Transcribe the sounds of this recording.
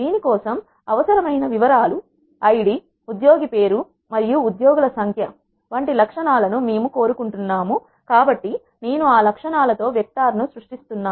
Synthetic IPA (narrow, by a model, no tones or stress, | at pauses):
d̪iːnikɔːsɐm | ɐʋɐsɐɾɐmɐjnɐʋiʋɐɾaːlu | ɐjɽi | ud̪joːɡipe̞ːɾu | mɐɾijuːd̪joːɡulɐsɐŋkʰjɐ | ʋɐɳʈilɐkʂɐɳaːlɐnume̞ːmuko̞ːɾukuɳʈunːaːmu | kaːbɐʈːi | ne̞ːnuaːlɐkʂɐɳaːlɐt̪o̞ːʋjɐk̚t̪aːɾɐnusɾuʂʈist̪unːaː